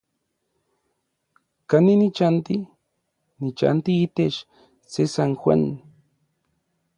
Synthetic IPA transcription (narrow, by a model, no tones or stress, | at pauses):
kaninit͡ʃant̪i | nit͡ʃa̰nt̪iːt̪eʃ | sesaŋxwa̰n